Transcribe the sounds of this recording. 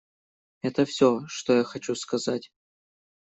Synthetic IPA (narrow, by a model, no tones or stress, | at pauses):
ɛt̪əfsʲoʂt̪ojaxɐt͡ɕuskɐzatʲ